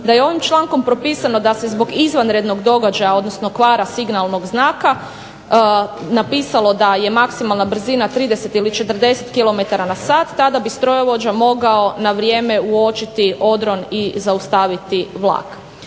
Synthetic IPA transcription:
d̪ajeo̞ʋimt͡ʃlˠaːŋko̞mpɾo̞piːsano̞d̪asezbo̞ɡizʋanɾed̪no̞ɡd̪o̞ɡad͡ʒajao̞d̪nosno̞kʋaːɾasiɡnalˠno̞ɡznaːka | napiːsalo̞d̪aje̞maksimalˠnabr̩zinat̪ɾiːd̪ese̞t̪ilit͡ʃe̞t̪ər̩d̪e̞set̪kilˠo̞me̞t̪aɾanasaːt̪ːad̪abist̪ɾojeʋo̞d͡ʑamo̞ɡao̞naʋɾjeːme̞uo̞t͡ʃit̪iʔo̞d̪ɾo̞nizaust̪aʋit̪iʋlˠa̰ːk

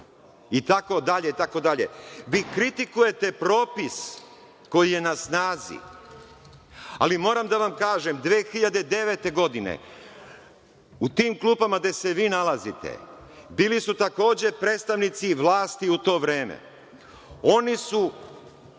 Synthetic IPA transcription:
it̪ako̞d̪aʎeit̪ako̞d̪aʎe̞̰ʋikɾit̪ikuje̞t̪e̞pɾo̞ːpis | ko̞jije̞nasnaːzḭ | a̰limo̞ːɾamd̪aʋamkaːʒe̞md̪ʋeːxiʎad̪ed̪e̞ʋe̞t̪e̞ɡo̞d̪inḛ | ut̪iːmkluːpamaɡd̪e̞se̞ʋiːnalˠazit̪ḛ | biːlisut̪ako̞ːd͡ʑe̞pɾet̪st̪aʋnit̪siʋlaːst̪iut̪o̞ːʋɾeːmḛ | o̞nisu

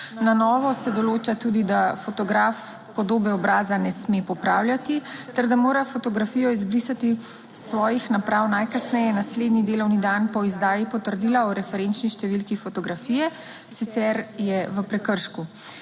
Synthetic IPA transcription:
nanɔːʋɔsɛd̪ɔloːt͡ʃat̪uːd̪id̪afot̪ɔɡɾaf | pɔd̪oːbɛɔbɾaːzanɛsmepɔpɾaːwljat̪it̪ɛɾd̪amoːɾafɔt̪ɔɡɾafiːjɔizbɾisat̪i | sʋɔːjixnapɾawnajkasnɛjɛnasleːd̪nid̪eːlɔwnid̪anpɔizd̪aːjipɔt̪əɾd̪iːlaɔɾɛfɛɾent͡ʃniʃt̪ɛʋilkifɔt̪ɔɡɾafiːjɛ | sit̪sɛɾjɛʋəpɾɛkəɾʃku

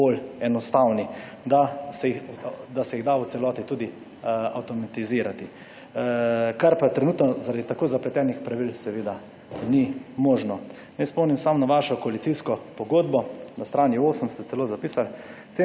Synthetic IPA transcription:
bolɛnɔst̪awni | d̪asɛixd̪asɛjiɣd̪ausɛlɔːt̪it̪uːd̪i | a̰wt̪ɔmat̪iziːɾat̪i | kaɾpat̪ɾɛnuːt̪nɔzaɾad̪it̪akoːzaplɛt̪ɛːnixpɾaʋilsɛʋeːd̪a | nimoːʒnɔ | nɛjspɔmnimsamnaʋaʃɔkɔalit̪siskɔpɔɡoːd̪bɔnast̪ɾaːnioːsəmst̪ɛt͡s̪ɛloːzapiːsal | se

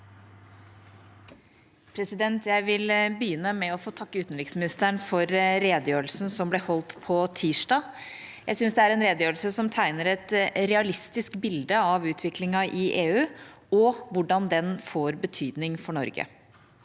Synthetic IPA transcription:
pʰɾɛsɪd̪ɛnt̪jæɪʋɪlbəjʏnːəmɛɔfoːt̪ʰɑkːəʉːt̪n̩lɪksmɪnɪst̪əɳfɔɾɾeːd̪əjøːɾəlsn̩sɔmblɛhɔlt̪pʰɔt̪ʰiːʂɖɑː | jæɪsʏnsd̪ɛæɾɛnɾeːd̪əjøːɾəl̩səsɔmt̪ʰæɪnəɾɛt̪ɾɛɑlɪst̪ɪskbɪld̪əɑʋʉːt̪ʰʋɪklɪŋɑʔɪʔeːʉː | ɔʋʊɖɑnd̪ɛnfoːɾbət̪ʰyːd̪nɪŋfɔɳɔ̰ɾɡə̰

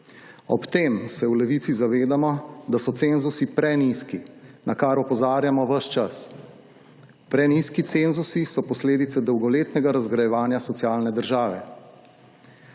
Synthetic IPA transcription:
ɔpt̪eːmsɛwlɛʋit̪sizaʋeːd̪amɔd̪asɔt̪seːnzusipɾɛniskinakaɾɔpɔzaːɾjamɔʋəʃt͡ʃas | pɾɛniskit̪seːnzusisɔpɔsleːd̪it̪sɛd̪ɔwɡɔleːt̪nɛɡaɾazɡɾajɛʋaːnjasɔt̪sijaːlnɛd̪əɾʒaːʋɛ̰

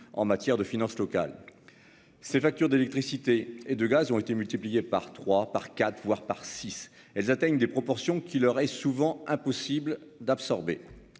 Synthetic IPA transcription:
ɑ̰̃mat̪jɛʁd̪əfinɑ̃slɔka̰l | sefak̚t̪yʁd̪elɛkt̪χisit̪eed̪əɡazɔ̃et̪emylt̪iplijepa̰ʁt̪χwapaʁkat̪χvwaʁpaʁsis | ɛlzat̪ɛɲd̪epχɔpɔʁsjɔ̃kʲʰilœʁɛsuvɑ̃ɛ̃pɔsibld̪apsɔʁbḛ

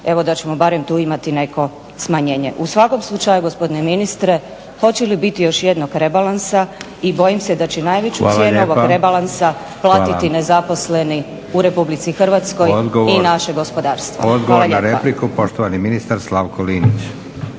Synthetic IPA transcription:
e̞ʋo̞d̪at͡ɕe̞mo̞baɾe̞mt̪uːimat̪ine̞ko̞ | smaɲe̞ːɲe̞̰ʔusʋako̞mslˠut͡ʃajuɡo̞spo̞d̪ine̞minist̪ɾe̞ | xo̞t͡ɕelibit̪ijo̞ʃjed̪noɡɾe̞balˠansa | ibo̞jimsed̪at͡ɕenajʋet͡ɕuasjeːnuoʋoɡɾebalˠansa | plˠaːit̪inezapo̞sle̞ni | uɾe̞publit̪sixr̩ʋat̪sko̞jd̪ɡoinaʃe̞ɡo̞spo̞d̪aːɾst̪ʋood̪ɡoaolaʎaɾeaplikupo̞ʃt̪oʋaniminist̪aɾslaʋkʰoliːnit͡ɕ

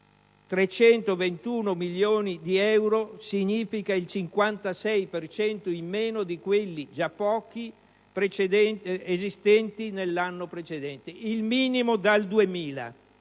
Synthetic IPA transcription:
t̪ɾet͡ʃɛnt̪ovent̪uːnomiljoːnid̪iɛwɾosiɲiːfikailt͡ʃiŋkwant̪asɛjpert͡ʃɛnt̪oimːeːnod̪ikwelːid͡ʒapːɔːki | pɾet͡ʃed̪ɛezist̪ɛnt̪inelːanːopɾet͡ʃed̪ɛnt̪eilmiːnimod̪ald̪uemiːla̰

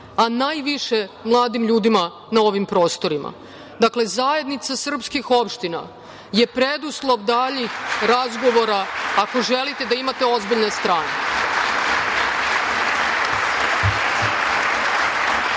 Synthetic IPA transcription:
anaːjʋiʃe̞mlˠaːd̪imʎuːd̪ima | nao̞ʋimpɾo̞ːst̪o̞ɾima̰ | d̪akle̞zaje̞d̪nit̪sasr̩pskixo̞pʃt̪ina̰ | je̞pɾed̪uslˠo̞ʋd̪aʎixɾazɡo̞ʋo̞ɾaːko̞ʒelit̪e̞d̪aimat̪e̞o̞zbiʎne̞st̪ɾaːnḛ

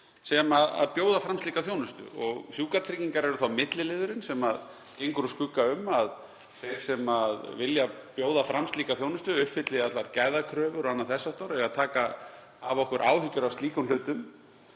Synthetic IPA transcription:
sɛmaða̰ðpjoːwðafɾamst̪iːkaθjownʏst̪ʏ̰ɔɣsjuːkaɾt̪ʰɾiciŋkaɾɛɾʏθawmɪt̪lɪlɪːðʏɾɪnsɛmað | cejŋkʏɾʏskʏkːaʏmːað | θejɾ̥sɛmaðvɪljapjoːwðafɾamst̪liːkaθjownʏst̪ʏʏhpfɪt̪lɪat̪laɾcajðakʰɾœːvʏɾanːaðθɛsːast̪ɔɾɛɣaðt̪ʰaːka | avɔhkvʏɾʔa̰ːwhʏcʏɾavst̪iːkʏnlʏːt̪ʏm

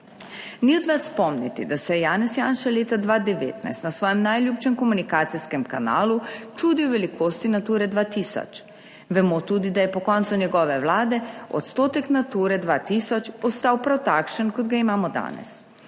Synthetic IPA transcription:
niɔd̪ʋat̪spɔmnit̪ḭd̪asɛjaːnɛsjaːnʃaleːt̪ad̪ʋad̪ɛʋḛːt̪na̰jst̪nasʋɔːjɛmnajljuːpt͡ʃɛmkɔmunikaːt̪siskɛmkana̰ːlut͡ʃuːd̪iwʋɛlikoːst̪inat̪uːɾɛd̪ʋaːt̪iːsɔ̰t͡ʃ | ʋɛmot̪uːd̪id̪ajɛpɔkɔnt̪sunʲjɛɡɔːʋɛwlaːd̪ɛɔ̰t̪st̪oːt̪ɛknat̪uːɾɛd̪ʋaːt̪isɔt͡ʃɔst̪aːwpɾawt̪aːkʃənkɔd̪ɡaimaːmɔd̪a̰ːnɛ̰s

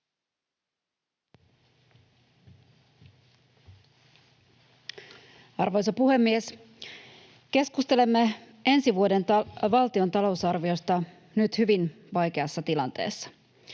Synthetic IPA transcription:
ɑrʋojs̬opuhe̞mːies | k̟e̞skust̪e̞le̞mːe | e̞nsiʋuo̞de̞nt̪ɑʋɑlt̪io̞nt̪ɑlo̞usɑrʋio̞st̪ɑ | nyt̪hyʋin | ʋɑjk̟e̞ɑsːɑt̪ilɑnt̪e̞̰ːsːɑ̥

